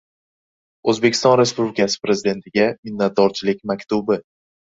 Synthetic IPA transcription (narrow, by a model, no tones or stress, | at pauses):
ɵzbe̞kʲʰɪ̥st̪ɒnɾe̞spublɪkʲʰasɪ̥pɾe̞zɪd̪e̞nt̪ʰɪɡʲamɪnːat̪̚d̪ɒɾt͡ʃʰɪlɪk̚ʲmakʲt̪ubɪ